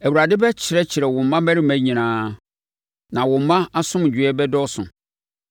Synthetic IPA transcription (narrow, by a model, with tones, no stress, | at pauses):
æ˨wu˨ɾa˨dɪ˦bɛ˦t͡ɕʰɪ˨ɾɛ˦t͡ɕʰɪ˨ɾɛ˨wʊ̃˨mːã˦mæ̃˦ɾɪ˦mæ̃˦ɲĩ˨nãː˨˦ | nã˨wʊ̃˨mã˦a˦sʊ̃˦m˨d͡ʑᶣɥɛ˦bɛ˦dɔ˦sʊ̰̃˨